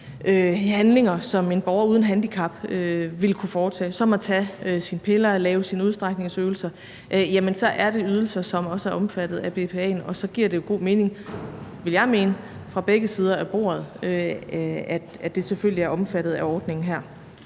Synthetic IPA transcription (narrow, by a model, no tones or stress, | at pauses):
ʔøhænle̝ŋɐsɒ̽me̝nb̥ɒʊɐuːð̞ˠn̩ɦænd̥ikʰɑ̈b̥øʋe̝lkʰufɒːt͡sʰɛ̰ːsɒ̽mæt͡sʰæøsinpʰe̝lɐlɛːʊsinuðˠsd̥ʁäɡ̥ne̝ŋsøːl̩sɐ | ʔjæmənsɒ̽ʔæɐɾ̥e̝yð̞ˠl̩sɐsɒ̽mɒ̽səæɐɒ̽mfæd̥ð̩ˠæb̥e̝pʰe̝ɛ̰ːnɒ̽sɒ̽ɡ̥iɐ̰̥ejoɡ̥o̝̰ːme̝ːne̝ŋʋe̝ljɑ̈ɪme̝ːnəfʁɑ̈b̥eɡ̥əsiːð̞ˠɐʔæb̥o̝̰ːɐð̞̩ˠø | æd̥æd̥e̝seføl̰liæɐɒ̽mfæɾ̥ð̩ˠæɒːd̥ne̝ŋn̩ɦæɐ̰